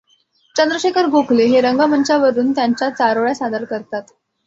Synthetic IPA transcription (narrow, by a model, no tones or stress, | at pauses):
t͡ɕənd̪ɾəɕekəɾɡʱokʰleɦeɾəŋɡamənt͡ɕaʋəɾuːnt̪jaɲt͡ɕjat͡saɾoɭjasad̪əɾkəɾt̪at̪